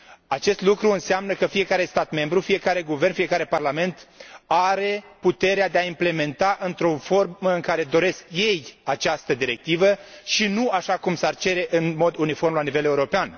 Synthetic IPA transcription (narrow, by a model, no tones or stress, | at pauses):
at͡ʃe̞st̪lukɾuɨnseamnəkəfije̞kaɾe̞st̪at̪me̞mbɾufije̞kaɾe̞ɡuve̞rnfije̞kaɾe̞parlame̞nt̪aɾe̞put̪e̞ɾead̪eaimple̞me̞nt̪aʔɨnt̪ɾo̞fo̞rməɨŋkaɾe̞d̪o̞ɾe̞skje̞jat͡ʃast̪əd̪iɾe̞k̚t̪ivəʃinuaʃakumsart͡ʃe̞ɾe̞ʔɨnmo̞d̪unifo̞rmlanive̞leuɾo̞pean